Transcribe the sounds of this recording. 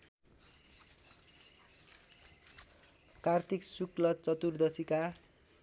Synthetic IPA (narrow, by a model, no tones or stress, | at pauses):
kart̪ʰiksuklʌt͡sʌt̪urd̪ʌsika